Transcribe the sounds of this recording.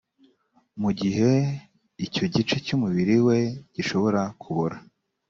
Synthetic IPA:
muɟiɦe̞ | ico̞ɟit͡ʃecumuβiɾiwe̞ɟ̥iʃo̞βo̞ɾakʰuβoɾa

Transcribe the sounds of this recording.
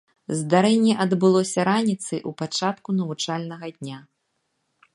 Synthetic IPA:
zd̪aɾɛnʲːɛʔɐd̪bɨlˠɔsʲɐɾanʲit̪sɨʔupat͡ʂat̪kunɐvut͡ʂalʲnɐɣɐd̪ʲnʲa

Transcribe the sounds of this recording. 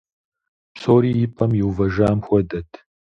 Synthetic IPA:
psoːɾiːjɪpʼɐmjɪwvɐʒaːmxʷɔdɐtʰ

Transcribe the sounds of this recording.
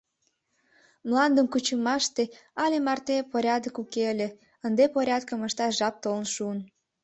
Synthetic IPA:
mlɑnd̪əmkut͡ɕəmɑʃt̪eɑlʲemɑrt̪epoɾʲɑd̪əkukeəlʲe | ənd̪epoɾʲɑd̪kəməʃt̪ɑʒɑp̚t̪olənʃuən

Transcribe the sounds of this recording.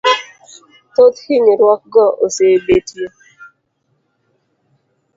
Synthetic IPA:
t̪ot̪hiɲiɾwɔk̚ɡɔʔosebetje

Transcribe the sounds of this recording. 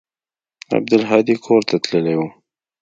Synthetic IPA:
a̰b̚d̪əlɦɑd̪ikʰoɾt̪at̪ləlewu

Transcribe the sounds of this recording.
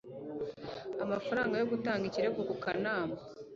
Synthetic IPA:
amafaɾaːŋɡajo̞ɡutaːŋɡiciɾe̞ɡokukanaːma

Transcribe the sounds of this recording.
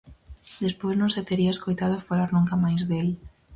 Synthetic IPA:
d̪espojznõŋset̪eɾiaeskojt̪að̞ʊafalaɾnũŋkamajzðel

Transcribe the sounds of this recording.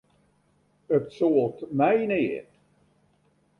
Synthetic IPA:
ətsoːlˠtmɛjnɪːt

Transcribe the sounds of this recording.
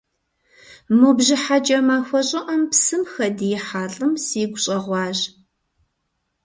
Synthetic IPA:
mubʒɪħat͡ʃʼɐmaːxʷɔɕʼɪʔɐmpsɨmxɐdijɪħaːɬʼɨmsiːɡʷʊɕʼɐʁʷɑːʑ

